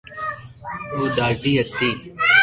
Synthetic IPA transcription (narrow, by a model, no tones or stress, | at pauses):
uːd̪aːɾɖ̪iːɦət̪ːiː